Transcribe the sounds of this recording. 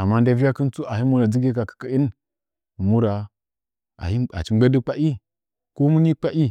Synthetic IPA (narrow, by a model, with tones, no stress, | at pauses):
a˨mːa˦n˦da˦vi˦ja˦ki˦nt͡su˦a˨hi˦mu˦ɾa˨d͡zi˦ɡe˦ka˨kə̥˨kə˦i˦n˨ | mu˦ɾa˨ | a̰˨hi˦a̰˨t͡ʃi˦e˦di˦k͡pa˦ʔi˦ | ko˦mu˦ni˦k͡pa˦ʔi˦